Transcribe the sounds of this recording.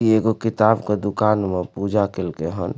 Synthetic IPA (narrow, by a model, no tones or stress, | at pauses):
ieɡokit̪abked̪ʊkaːnmepud͡ʒakelkeɦən